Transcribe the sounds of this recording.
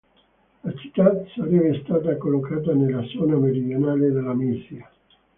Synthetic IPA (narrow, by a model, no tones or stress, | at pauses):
lat͡ʃi̥t̪ːasaɾɛveɛst̪aːt̪akolːokaːt̪anelːad̪zɔːnameɾid̪jonaːled̪elːamisia